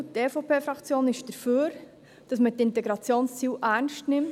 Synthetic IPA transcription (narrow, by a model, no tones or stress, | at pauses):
teːfopʰeːfɾɑkt͡sjoːnɪʃd̥əɾføːɾ | d̥ɑsmətɪntɛɡɾɑt͡sjoːnst͡siːwʔæːɾnʃtnɪmt